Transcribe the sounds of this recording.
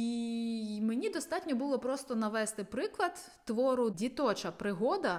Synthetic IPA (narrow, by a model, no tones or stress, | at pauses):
i | menʲid̪ɔst̪ɑtʲnʲɔbʊlˠɔpɾɔst̪ɔnɐʋɛst̪ɪpɾɪklˠɐt̪ːʋɔɾʊdʲit̪ɔt͡ʃɐpɾɪɦɔd̪ɐ